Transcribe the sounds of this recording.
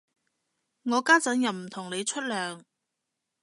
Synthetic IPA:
ŋɔː˨˧kaː˥t͡sɐ˨˥njɐ˨w̚m̩˨˩t̪ʰʊ˨˩ŋnle˨˧jt͡ʃʰɵ˥t̚lœː˨˧ŋ

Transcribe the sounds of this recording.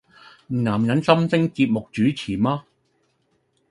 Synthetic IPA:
m̩ː˨˩naː˨˩mjɐ˨˥nsɐ˥msɪ˥ŋkiː˧t̚mʊ˨k̚t͡ʃyː˨˥t͡sʰiː˨˩maː˦˥

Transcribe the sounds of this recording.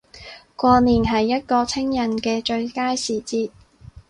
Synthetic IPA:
kʷɔː˧niː˨˩nɦɐ˨jːɐ˥t̚kɔː˧t͡sʰɪ˥ŋjɐ˨˩nkɛː˧t͡ʃɵ˧ɥkaː˥jsiː˨˩t͡siː˧t̚

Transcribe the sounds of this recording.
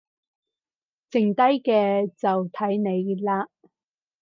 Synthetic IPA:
t͡sɪ˨˩ŋt̪ɐ˥jkɛː˧t͡sɐ˨wt̪ʰɐ˨˥jne˨˧jlaː˥

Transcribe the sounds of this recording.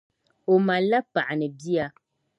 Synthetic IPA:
o˨ma˨la˦pa˨ʔa˨nɨ˨bi˦a˨

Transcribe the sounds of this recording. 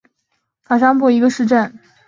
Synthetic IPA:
ka˨˩ʂɑ˥ŋpu˥˩i˧˥ɡə˧ʂɻ̩˥˧ʈ͡ʂə˥˩n

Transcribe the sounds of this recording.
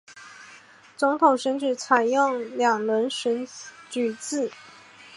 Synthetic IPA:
t͡sʊ˧˥ŋt̪ʰʊ˨˩ŋʂə˥nʈ͡ʂɻ̩˨˩t͡sʰa˨˩ɪjʊ˥˩ŋljɑ˨˩ŋlwə˧˥nʂə˧˥nt͡ɕy˨˩t͡sɹ̩˥˩

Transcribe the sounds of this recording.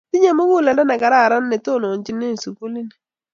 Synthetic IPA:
ti˦ɲe˦mʊ˦ku˦˨lɛ˨nda˦na˨ka˨ɾa˦˨ɾa˦nː˦e˨to˦˨no˨ɲt͡ʃi˦ne˦˨su˨ku˦li˦ni˨

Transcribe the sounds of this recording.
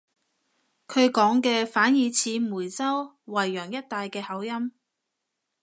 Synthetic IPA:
kʰɵ˨˧ɥkɔː˨˥ŋkɛː˧faː˨˥njiː˨˧t͡sʰiː˨˧˥muː˨˩jt͡sɐ˥w | wɐ˨˩jːœː˨˩ŋjɐ˥t̚t̪aː˨jkɛː˧hɐ˨˥wjɐ˥m

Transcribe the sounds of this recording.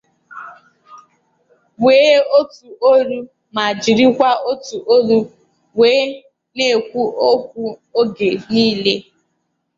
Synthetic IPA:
weː˨˦o˦tu˨o˦ɾu˦ | ma˨d͡ʒi˨ɾi˦kʷa˦o˦tu˨ʔo˦ɾu˦ | weː˨˦ | ne˦˨kʷu˦o˦kʷu˦o˦ɡe˨niː˦le˦

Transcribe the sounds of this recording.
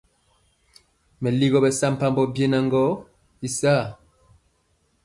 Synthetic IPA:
mɛ˨li˦ɣɔ˦bɛ˨sa˦m̩˨pa˦mbɔ˦bje˦na˨ŋɡɔ˦ | i˨saː˦˨

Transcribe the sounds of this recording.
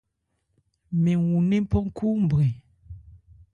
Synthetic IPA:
mẽ˨wu˨nẽ˦m˦pɔ˦ŋ̩˦kʰu˦m˨bɾe˨

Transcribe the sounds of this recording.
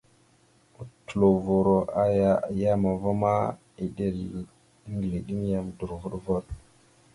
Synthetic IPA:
u˨tu˨lo˨vo˨ɾo˨a˦ja˦ja˦ma˨vo˦ma˦ | i˨ɗe˦ɾi˨˦ | ŋɡli˨ɗi˦m˦ja˨mdu˨ɾvu˦ɗvo˦t̚

